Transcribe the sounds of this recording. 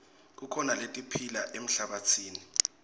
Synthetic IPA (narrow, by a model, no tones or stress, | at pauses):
k̬ukʰɔnaletʼipʰilaʔem̩ɬaɓat͡sʰiːni